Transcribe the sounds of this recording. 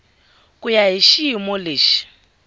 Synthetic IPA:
kʼujaɦiʃimɔleːʃi̥

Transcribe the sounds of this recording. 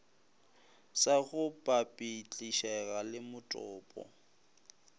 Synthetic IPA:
saɣʊpʼapʼit͡ɬʼiʃɛɣalɪmʊtʼɔːpʼɔ̰

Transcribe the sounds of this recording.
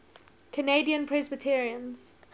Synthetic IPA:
kʰəneɪdiə̃npʰɹ̥ɛzbətʰɛɹiə̃nz̥

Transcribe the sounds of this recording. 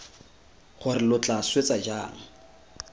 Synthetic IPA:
χʊrɪlʊt͡ɬʼaswet͡sʼad͡ʒaːŋ̩

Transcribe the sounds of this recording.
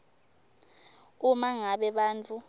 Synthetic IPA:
umaŋaɓɛɓaːnt͡fʼu

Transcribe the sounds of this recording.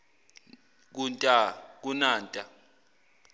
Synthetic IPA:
k̬untʼak̬unaːntʼa

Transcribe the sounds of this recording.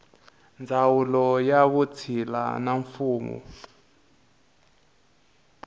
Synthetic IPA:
nd͡zʱawulɔjaβut͡sʰila̰naɱfuːmṵ

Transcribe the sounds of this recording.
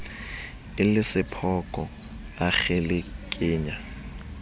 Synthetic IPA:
ɪlɪsɪpʰɔkʼɔ | aχelekʼɪːɲa

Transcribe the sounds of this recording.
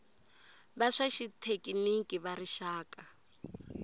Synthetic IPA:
baʂaʃitʰekʼinikʼiβaɾiʃaːkʼa

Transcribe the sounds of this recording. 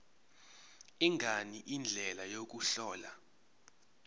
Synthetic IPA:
iŋʱaniʔind͡ɮʱɛlajok̬uɬɔːla

